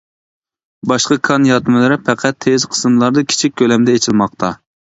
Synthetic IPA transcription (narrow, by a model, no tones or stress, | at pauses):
bɑʃqɑkʰɑnjɑt̪mɨlˠɨɾɪpʰɛqʰɛt̪ʰːezqʰə̥sɨmlˠɑɾd̪ɑkʲʰi̥t͡ʃʰik̚ʲkʲʰːølɛmd̪ɛet͡ʃʰilmɑq̚t̪ʰɑ